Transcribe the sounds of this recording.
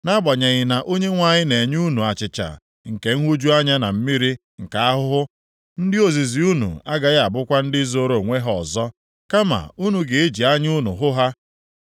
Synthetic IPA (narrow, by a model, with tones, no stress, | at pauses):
na˦bɔ˨ɲe˨ɣɪ˨na˨ʔo˦ɲe˦ŋʷa˨ɲɪ˦ne˨ɲ˦u˦nu˨a˨t͡ʃɪ˨t͡ʃa̰˨ | ŋ̩˨ke˨ŋ̩˦ɦʷu˦d͡ʒu˦a˦ɲa˦na˨m̩˦mi˦ɾi˦ | ŋ̩˨ka˨a˦ɦʊ˦ɦʊ˦ | n̩˦dɪ˦o˨zi˨zi˨u˦nṵ˨a˦ɡa˨ɣa˨bʊ˦kʷa˦n̩˦dɪ˦zo˦ɾo˨ŋʷe˦ɦɔ˨zɔ˦ | ka˦ma̰˨u˦nu˨ɡe˨e˦d͡ʒi˨a˦ɲ˦u˦nṵ˨ɦʊ˦ɦa˦